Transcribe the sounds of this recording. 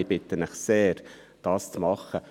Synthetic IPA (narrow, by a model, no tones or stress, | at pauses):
ɪb̥ɪt̪ənəχseːɾ | d̥ɑːst͡smɑχːə